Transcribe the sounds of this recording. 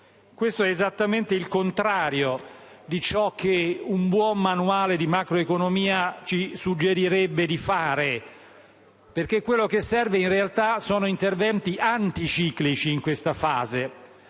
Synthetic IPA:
kwest̪oɛːzat̪ːament̪eilkont̪ɾaːɾjo | d̪it͡ʃɔk̟ʰːeumbwɔmːanuaːled̪imakɾoekonomiːat͡ʃisud͡ʒːeɾiɾebːed̪ifaːɾe | perk̟ekːwelːokesːɛrveinrealt̪asoːnoint̪ervɛnt̪iʔant̪it͡ʃiːklit͡ʃiːŋkwest̪afaːze

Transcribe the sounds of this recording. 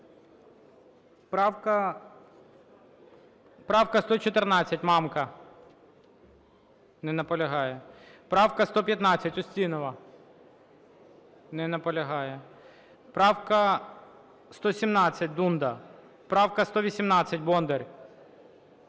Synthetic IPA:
pɑwkɐ | pɾɑwkɐst̪ɔt͡ʃɔt̪ernɑt͡sʲːɐtʲmɑmkɐ | nɛnɐpɔlʲɐɦɑjɛpɾɑwkɐst̪ɔpʲjɐt̪nɑt͡sʲːɐtʲɔsʲtʲinɔʋɐ | nɛnɐpɔlʲɐɦɑjɛ | pɾɑwkɐ | st̪ɔsʲimnɑt͡sʲːɐt̚ʲd̪und̪ɐ | pɾɑwkɐst̪ɔʋʲisʲimnɑt͡sʲːɐtʲbɔnd̪erʲ

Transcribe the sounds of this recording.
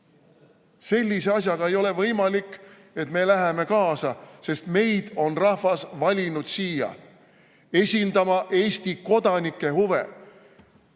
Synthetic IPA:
se̞lʲːise̞ɑs̬ʲjɑɡ̥ɑejo̞le̞vɤjmɑlikːˑ | e̞t̪me̞ːlæɦeme̞kɑːsɑse̞st̪me̞jd̪̥o̞nrɑhvɑsvɑlʲinud̪̥siːjɑ̰ | e̞sʲind̪ɑmɑʔe̞ːsʲt̪iko̞d̪̥ɑnikːˑe̞huve̞̰

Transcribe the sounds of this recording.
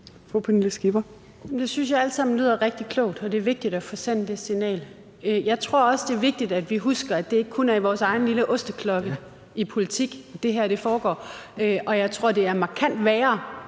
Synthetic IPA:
fɔpʰɔenisɡ̥ib̥ɐ | jemd̥e̝synsjɑ̈ɪæləsɑ̈m̰n̩ly̰ð̰ˠɐʁɛɡ̥̚d̥ikʰlɔ̰ʊ̰d̥ɒ̽d̥e̝ɐʋe̝ɡ̥̚d̥id̥æfɒ̽sen̰d̥e̝sinɛ̰ːl | øjɑ̈ɪt͡sʰʁo̝ɐ̰ɒ̽səd̥e̝ɐʋe̝ɡ̥̚d̥id̥æd̥ʋiɦusɡ̥ɐæd̥e̝e̝ɡ̥ə̥kʰonæɐiʋɒːsɑ̈ɪn̩liləʔɔ̽sd̥ɐkʰlɒ̽ɡ̥ə | ipʰo̝lit͡sʰiɡ̥d̥e̝ɦæɐ̰ɾ̥e̝fɒːɡ̥ɒ̰ːøʔɒ̽jɑ̈ɪt͡sʰʁo̝ɐ̰d̥e̝æɐmɑ̈kʰæn̰d̥ʋɛːɐ

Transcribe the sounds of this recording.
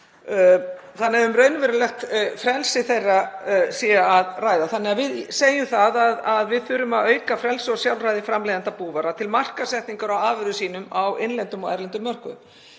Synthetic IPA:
θanːɪɛvʏmrœːɥnvɛɾʏlɛxt̪fɾɛlsɪθejrːasiːaːðraːjðaθanːɛɣaðvɪðseːjʏmθaðaðaðvɪðθʏɾʏmaðœːɥkafɾɛlsɔsjawlrajðɪfɾamlejðant̪apuːvaɾat̪ʰɪlmar̥kasɛht̪niŋkaɾawaːvʏɾðʏsiːn̪ʏmawɪnlɛnt̪ʏmɔa̰jɾlɛnt̪ʏmːœr̥kʏʏm

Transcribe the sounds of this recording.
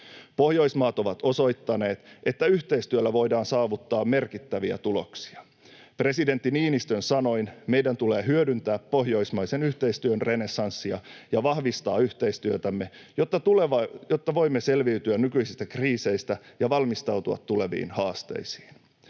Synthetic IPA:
po̞hjo̞ismɑːt̪o̞ʋɑt̪o̞so̞jt̪ːɑne̞ːt̪ʔe̞t̪ːæyçt̪e̞ist̪yølːæʋo̞jdɑːnsɑːʋut̪ːɑːmme̞rkit̪ːæʋiæ̰t̪ulo̞̰ksi̥ɑ | pre̞side̞nt̪ːiniːnist̪ønsɑno̞jnme̞jdænt̪ule̞ːɦyødynt̪æːpːo̞ɦjo̞ismɑjse̞nyht̪e̞ist̪yønrene̞sɑnsːiɑjɑʋɑhʋist̪ɑːyht̪e̞jst̪yøt̪æmːe̞jot̪ːɑt̪uleʋɑjot̪ːɑʋo̞jmːese̞lʋiyt̪yænnykyisist̪ækriːse̞jst̪æjɑʋɑlmist̪ɑwt̪uɑ̰t̪ːule̞ʋḭːnhɑːst̪e̞̰jsi̥ːn

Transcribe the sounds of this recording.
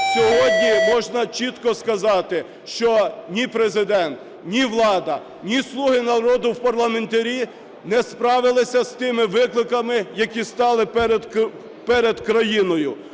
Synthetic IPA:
sʲɔɦɔd̪ʲnʲimɔʒnɐt͡ʃit̪kɔskɐzɑt̪ɪ | ʃt͡ʃɔnʲipɾezɪd̪ɛnt̪ | nʲiʋlˠɑd̪ɐ | nʲislˠuɦɪnɐɾɔd̪ʊwpɐrlˠɐment̪ɐɾʲi | nɛspɾɑʋɪlˠɪsʲɐst̪ɪmɪʋɪklˠɪkɐmɪjɐkʲist̪ɑlˠɪp̪ | pɛɾed̪kɾɐjinɔjʊ

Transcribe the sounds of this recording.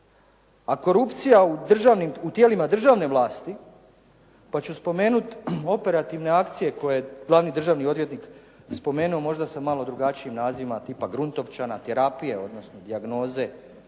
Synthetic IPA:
ako̞ɾupt̪sijaud̪r̩ʒaʋnimut̪jeːlimad̪r̩ʒaʋne̞ʋlˠaːst̪i | pat͡ɕuspo̞me̞ːnut̪o̞pe̞ɾat̪iʋne̞akt̪sije̞ko̞jeɡlˠaːʋnid̪r̩ʒaːʋnio̞d̪ʋje̞t̪nik | spo̞me̞ːnuo̞mo̞ʒd̪asamalo̞d̪ɾuɡat͡ʃiimnaːzimat̪iːpaɡɾunt̪o̞ʋt͡ʃanat̪eɾapije̞o̞d̪no̞snod̪iaɡno̞ːze̞

